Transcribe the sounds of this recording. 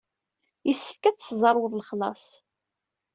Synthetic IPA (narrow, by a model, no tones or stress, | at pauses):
jəsːə̥fkæt͡sːzˤɑɾˤwðˤlχlɑ̰sˤ